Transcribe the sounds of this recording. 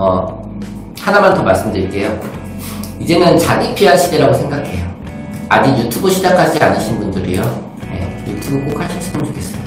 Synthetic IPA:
ʌ | hanamantʌmaɭs͈ɯmdɯiɭk͈e̞jo | id͡ʑe̞nɯnt͡ɕaɡipʰiɦaɕʰideɾaɡosʰe̞ŋɡakʰe̞jo | a̰d͡ʑiɡjutʰubɯɕʰid͡ʑakʰad͡ʑia̰nɯɕʰinbundɯɾḭjo | je̞̰jutʰubɯk͈okʰaɕʰiɕʰidɯmt͡ɕo̥kʰes͈ʌjo

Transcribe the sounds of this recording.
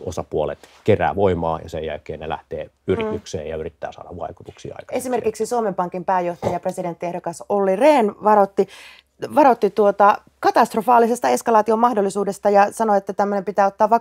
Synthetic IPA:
osɑpuolet̪keræ̰ːʋoimɑ̰ːjɑsḛjjæ̰lkeːnnelæ̰ht̪eː | yrit̪yksḛːjɑyrit̪ːæ̰ːsɑ̰ːdɑʋʋɑ̰iku̥t̪uksḭːɑ̰ikɑesime̞rkiksisuomempɑŋkimpæːjoht̪ɑjɑpresidet̪ːiehdokɑsolːireːnʋɑrot̪ːi | ʋɑɾo̞t̪ːit̪uot̪ɑ | kɑt̪ɑst̪rofɑːlːˑisest̪ɑe̞skɑlɑːt̪iomɑhdolːisuːdest̪ɑjɑsɑnoet̪ːæt̪æmːønempit̪æːot̪ːɑːʋɑ

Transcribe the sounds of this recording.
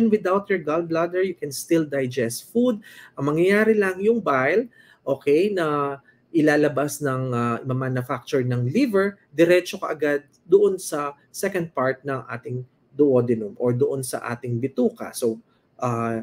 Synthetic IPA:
nwɪd̪awt̪̚jɔɹɡɐlblad̪ɛɹjʊkɛnst̪ɪld̪ɐjd͡ʒɛst̪fud̪̚ʔɐŋmɐŋjɐjaːɾɪlɐŋjʊŋbajl | ʔoːkɛjnɐ | ʔɪlaːlɐbasnɐŋamɐmanʊfak̚t͡ʃʊɹnɐŋlivɛɹd̪ɛɾɛt͡ʃokɐʔɐɡad̪̚ːʊʔonsɐ | sɛkɐ̃nd̪̚paɹt̪̚nɐŋʔa̰ːt̪ɪŋ | d̪ʊʔod̪ɪnʊmʔoɹd̪ʊʔonsɐ̰ʔa̰ːt̪ɪŋbɪt̪uːkɐ̰sow | ʔa

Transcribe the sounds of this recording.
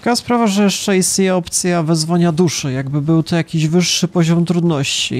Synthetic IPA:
kaspɾavaʐɛjɛʂt͡ʂɛist̪ɲeɛɔpt̪sʲjavɛzvɔɲad̪uʂɛjaɡbɘbɘwt̪ɔjakʲiʑvɘʂːɘpɔʑɔmt̪ɾud̪nɔɕt͡ɕḭ

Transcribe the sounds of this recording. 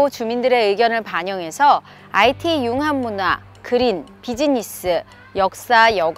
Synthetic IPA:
ot͡ɕumindɯɾe̞ɯɡjʌnɯɭpaɲʌŋɦe̞sʰʌ | aitʰijuŋɦamːuna | kɯɾinpid͡ʑiɲis͈ɯ | jʌk̚s͈ajʌɡ

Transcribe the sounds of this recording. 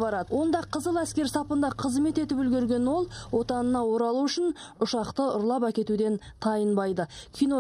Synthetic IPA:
bɑɾɑd̪əwo̞nd̪ɑqʰəzəlˠæskʲe̞ɾsɑpənd̪ɑqʰəzme̞t̪e̞t̪ɪpʏlɡʲeɾɡʲe̞nwo̞lˠwo̞t̪ɑnənɑwo̞ɾɑlˠuʏʃɪn | ʊʃɑqt̪əʊɾlˠɑpækʲe̞t̪ud̪e̞nt̪ʰɑjənbɑjd̪əkʲʰijno

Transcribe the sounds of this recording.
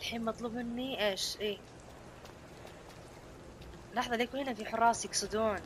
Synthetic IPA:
ɪlħiːmmɑt̪ˤluːbmɪnːiʔeːʃʔeː | lɑħðˤɑliːkuhɪnafiħʊrˤːɑːsjɪksˤɪd̪uːn

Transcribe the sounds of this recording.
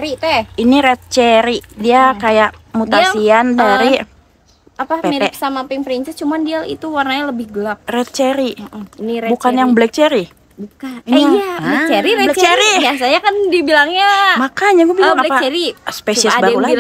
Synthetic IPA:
ɾit̪ɛiniɾɛt̪̚t͡ʃeɾidiakajaʔmut̪asiandaɾi | apapemiɾpsamapɪŋpɾint͡ʃɛst͡ʃumandialḭt̪uwarnaɲaləbɪhɡəlap̚rɛt̪̚t͡ʃeɾiiniɾbukanjaŋblɛk̚t͡ʃɛɾi | bukainijaŋaɛt͡ʃeɾiɾblɛt͡ʃeɾiiasaɲakandibilaŋɲamakaɲaɡuabilaŋalɛpat͡ʃɛɾispessiasbaɾula

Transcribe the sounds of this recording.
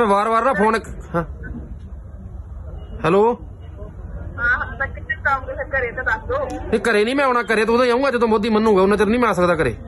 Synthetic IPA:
mɛ̃ːʋaːɾʋaːɾnãːpʰoːnkɦãː | hɛːloː | ɦaːt̪aːkɪt̪ːekaːmkekəɾeːnad̪akd̪oːekəɾeːnĩːmɛ̃ːoːɽ̃aːkəɾeːt̪̬oːʊd̪ãːaːũːŋɡaːd͡ʒed̪õːboːd̪iːmənːũːɡɛːʊnãːt͡ʃəɾnĩːmɛ̃aːs̬əkd̪aːkəɾḛː

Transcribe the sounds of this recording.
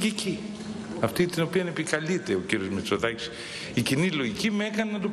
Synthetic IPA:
ici | ɐft̪it̪ino̞piɐnepikɐlit̪e̞o̞ciɾiozmet͡so̞ðɐci̥s | icinilo̞ʝicime̞kɐnenɐt̪u

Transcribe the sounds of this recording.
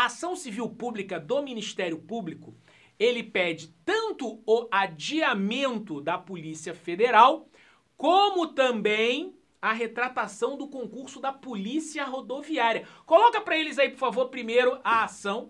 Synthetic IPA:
asɐ̃w̃siviwpublikɐd̪ominiʃt̪ɛɾjʊpublikʊ | elɪpɛd͡ʒɪt̪ɐ̃nt̪ʊʊad͡ʒiamẽnt̪ʊd̪ɐpolisiɐfed̪eɾaw | kõmʊt̪ɐ̃mbẽj̃ | ɐɦet̪ɾat̪asɐ̃w̃d̪ʊkõŋkuɾsʊd̪ɐpolisiɐɦod̪oviaɾiɐkolɔkɐpɾɐelɪzaipʊɾfavoɾpɾimejɾʊʔɐasɐ̃w̃

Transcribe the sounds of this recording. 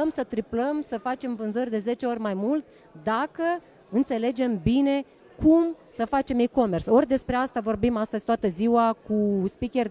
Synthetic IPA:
msət̪ɾipləmsəfat͡ʃe̞mvɨnzərʲd̪e̞ze̞t͡ʃe̞o̞rʲmajmult̪ʲ | d̪akə | ɨnt̪se̞le̞d͡ʒe̞mbine̞ | kumsəfat͡ʃe̞miko̞me̞rso̞rʲd̪e̞spɾe̞ast̪avo̞rbimast̪əzʲt̪at̪əziwakuspikʲer

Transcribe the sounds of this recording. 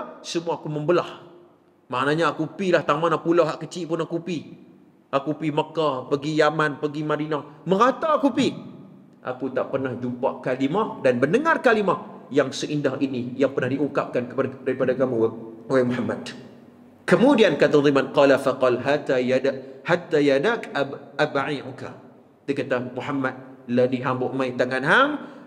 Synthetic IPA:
səmuaːkuməmbəlah | maʔnaɲaːkupilaht̪aŋmanapulaɦaʔkət͡ʃiʔpʊnakupi | ʔaʔkupiməkapəɡijamanpəɡimadinahmə̃ŋat̪aakupi | ʔa̰kut̪aʔpərnahd͡ʒupaʔkalimahdanbənəŋarkalimahjaŋsəʔindahʔinijaŋpərnahdiʔuŋkap̚kankədaɾipadakamuoamuħamːa̰d | kəmudiankat̪and̪imanqɑlafaqɑlɦat̪ajadahat̪ːajadakabaʕiʔka̰ | t̪ikat̪amuħamat̪̚ladiɦambʊʔmãjt̪aŋanɦam

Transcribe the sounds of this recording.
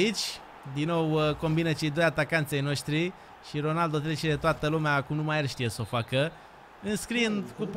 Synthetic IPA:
it͡ʃʲ | d̪inːo̞wko̞mbinət͡ʃe̞jd̪o̞jat̪akant̪sʲejno̞ʃt̪ɾi | ʃiɾo̞nald̪o̞t̪ɾet͡ʃed̪et̪oat̪əlumeakumnumajarʃt̪ijeso̞fakə | ɨnskɾiɨnd̪ku

